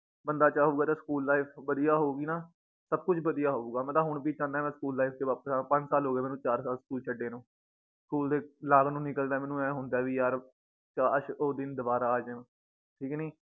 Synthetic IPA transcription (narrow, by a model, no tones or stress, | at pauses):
bənd̪aːt͡ʃaːɦuːɡaːt̪aːskuːlːaːipʰʋəd̪ijaːɦoːuːɡiːnaː | səb̚kʊt͡ʃʰʋəd̪ijaːɦoːuːɡaːmɛ̃ːt̪aːɦʊɳ̃piːt͡ʃãːnd̪ːɛːmɛ̃ːskuːlːaːifk̪eːʋaːpsapə̃ɲd͡ʒsaːlɦoːɡeːmɛːnũːt͡ʃaːɾsaːlskuːlt͡ʃʰəɖeːnũː | skuːld̪eːlaːɡnũːnɪkəld̪aːmɛ̃ːnũːɛ̃ːɦʊ̃nd̪aːʋiːjaːɾ | t͡ʃaːɾʃoːd̪ɪnd̪əbaːɾaːd͡ʒ | ʈʰiːkːniː